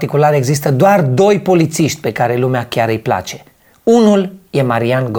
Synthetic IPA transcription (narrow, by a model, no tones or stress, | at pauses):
t̪ikulaɾe̞ɡzis̬t̪əd̪oard̪o̞jpo̞lit̪siʃt̪ʲpe̞kaɾe̞lumeakʲjaɾɨjpla̰t͡ʃe̞ | unulje̞maɾianɡ